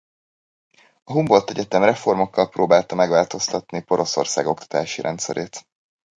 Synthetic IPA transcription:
ɒɦumbo̞lt̪ɛɟɛt̪ɛmrɛfo̞rmo̞kːɒlproːbaːlt̪ɒmɛɡʋaːlt̪o̞st̪ɒt̪nipo̞ɾo̞so̞̰rsa̰ːɡo̞kt̪ɒ̥t̪aːʃiɾʔɛnt̪sɛ̰ɾʔeːt̪

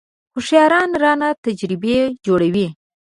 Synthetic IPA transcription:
xʊʂjɑɾɑnɾɑnat̪ad͡ʒɾɪbed͡ʒoɽawi

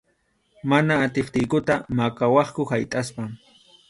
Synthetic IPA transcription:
manaːt̪ɪχt̪ɪjkʊt̪amakawɑχkʊhajt̪ʼaspaŋ

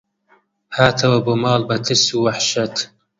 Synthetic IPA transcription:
haːt̪ʰɐwɐbomɑːlbɐt̪ʰɪsuwaħʃɐt̪

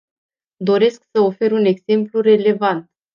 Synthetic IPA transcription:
d̪o̞ɾe̞sksəofe̞ɾune̞ɡze̞mplure̞le̞vant̪̚

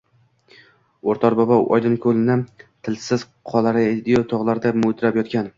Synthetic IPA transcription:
oɾt̪ʰɒɾbɒbaʔɒ̰jd̪ɪnkʰɵlɪnɪt̪ʰɪlsɪz̥ | qʰɒlˠaɾɪd̪ijot̪ʰɒʁlˠaɾd̪amʊt̪ʰɾapjɒt̪̚kʲan

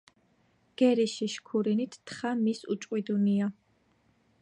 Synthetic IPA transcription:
ɡ̥ɛɾiʃiʃkʰuɾinit̪ʰːχamisṵt͡ʃʼqʼwid̪unia

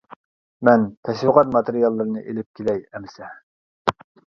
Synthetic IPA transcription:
mɛnt̪ʰɛʃwəqɑt̪̚mɑt̪eɾijɑlˠːɨɾɨnɨʔelɪp̚kʲʰelɛjɛmɪsɛ

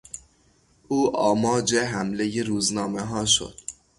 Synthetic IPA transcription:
ʔuːʔɒːmɒːd͡ʒeɦæmlejeɾuːznɒːmeɦɒːʃo̰d̪̥

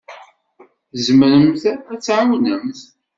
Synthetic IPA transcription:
zməɾəmθæt͡sːʕawnəmθ

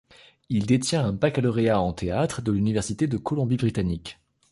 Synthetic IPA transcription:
ild̪et̪jɛ̃ɛ̃bakalɔʁeaɑ̃t̪eat̪χəd̪əlynivɛʁsit̪ed̪əkɔlɔ̃bibʁit̪anik

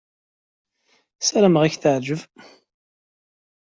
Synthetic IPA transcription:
sæɾæməʁæçθəʕd͡ʒəv

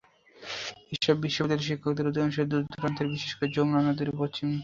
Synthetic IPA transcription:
eʃɔbːiʃːod̪eɾʃ̬ikʰːokd̪eɾod̪ionuʃeɾd̪ut̪ʰuɾant̪eɾbiʃeʃkad͡ʑomnanod̪iɾpot͡ɕim

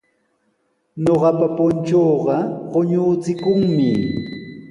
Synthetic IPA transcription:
ɲoɢɑpapʊnt͡ʃoːɢɑɢoɲʊːt͡sɪkʊŋmɪ

